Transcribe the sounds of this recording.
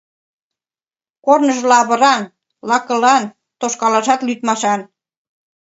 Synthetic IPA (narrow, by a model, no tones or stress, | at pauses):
kornə̆ʒlɑβɤ̆ɾɑn | lɑkɤ̆lɑn | t̪oʃkɑlɑʃɑt̪lyt̪mɑʃɑn